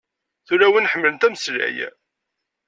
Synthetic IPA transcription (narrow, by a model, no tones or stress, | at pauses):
θuɾæwinħəmːələnt̪æməslæ̰j